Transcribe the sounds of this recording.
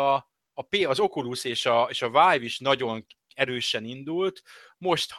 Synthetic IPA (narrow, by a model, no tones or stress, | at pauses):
peːɒzo̞kuluseːʃɒeːʃɒvaːjviʃnɒɟo̞ŋ | ɛɾøːʃɛnind̪ult̪ | mo̞ʃt̪h